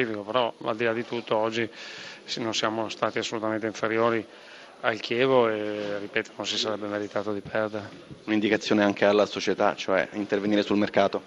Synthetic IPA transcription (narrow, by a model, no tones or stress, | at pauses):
iːfikopeɾɔa̰ld̪ilad̪ːit̪ut̪ːoɔd͡ʒːisnonsjaːmost̪aːt̪iasːolut̪ament̪eiɱfeɾjoːɾi | alkʰjɛːvoerːipɛːt̪o̥nonsisaɾɛbːemeɾit̪aːt̪od̪ipʰɛrd̪eɾe | unind̪ikat̪sːjoːneaŋkʰealːasot͡ʃet̪a̰t͡ʃoɛ̰int̪erveniːɾesulmerkaːt̪o